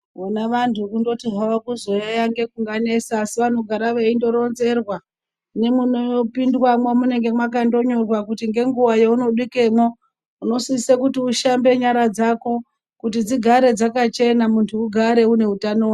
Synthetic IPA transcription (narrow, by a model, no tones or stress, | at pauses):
unaʋantʰukundo̞tiɦawakuzo̞jajaŋɡe̞kuŋɡane̞saːsiʋan̤oɡʱaɾaʋeindo̞ɾo̞nze̞rwa | ne̞munoopindwamwamune̞ŋɡe̞mwak̬ando̞ɲo̞rwakutiŋɡe̞ŋɡuʋajeuno̞ɗike̞mo̞ | uno̞sisekutiuʃambe̞ɲaɾad͡zako̞ | kutid͡ziɡʱaɾe̞d͡zakat͡ʃe̞namuntʰuːɡʱaɾe̞une̞ɦutanowa